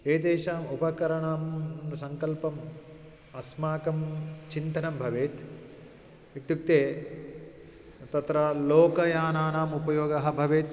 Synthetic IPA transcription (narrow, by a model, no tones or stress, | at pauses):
eːd̪eːʃaːmupɐkɐɾɐɳaːmsɐŋkɐlpɐm | ɐsmaːkɐmt͡ʃint̪ɐnɐmbʱɐʋeːt̪ | iʈ̪juk̚t̪eː | t̪ɐt̪ɾɐloːkɐjaːnaːnaːmupɐjoːɡɐɦɐ̆bʱɐʋeːt̪